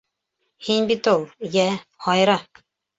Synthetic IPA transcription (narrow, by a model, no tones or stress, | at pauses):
hinbit̪ulˠjæhɑjɾɑ